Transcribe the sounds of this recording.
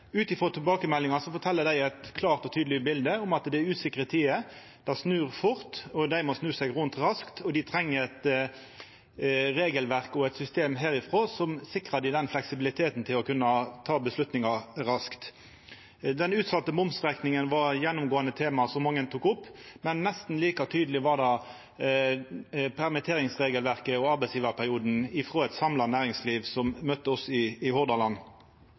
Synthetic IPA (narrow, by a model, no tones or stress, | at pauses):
ʉːt̪ɪfʁɔt̪ʰɛlbɑːkəmɛlːɪŋɑsɔfɔʈ̪ʰɛlːəd̪æɪɛt̪kʰlɑːʁt̪ɔt̪ʰyːd̪lɪbɪld̪əʊmɑt̪d̪ɛʉːsɪkʁət̪ʰiːə | d̪̥æsnʉːʁfʊʁt̪ɔd̪æɪmɔsnʉːsɛɡʁʉnt̪ʁɑskt̪ʰɔd̪ɪt̪ʰʁɛŋːəɛt̪ | ʁeːɡəlʋæʁkɔɛt̪sʏst̪eːmɦæːʁɪfʁoːsɔmsɪkʁɑd̪ɪd̪ɛnflɛksɪbɪlɪt̪ʰeːt̪n̩t̪ʰɪlɔkʉnːɑt̪ʰɑːbəslʉt̪nɪŋɑɾɑskt̪ | d̪ɛnʉːt̪sɑt̪ːəmʊmsʁæknɪŋənʋɑʁjɛnːʊmɡoːɑnət̪ʰeːmɑsɔmːɑŋːənt̪ʰuːkʊpːmɛnːɛst̪n̩liːkɑt̪ʰyːd̪əlɪʋɑʁd̪ɑ | pʰæʁmɪt̪ʰeːʁɪŋsʁeːɡəlʋæʁkəɔɑʁbɛɪsjiːʋɑʁpʰæʁɪuːd̪n̩ɪfʁoːɛt̪sɑmlɑnæːʁɪŋsliːʋsɔmːœt̪ːəɔsɪːhɔʁd̪ɑlɑn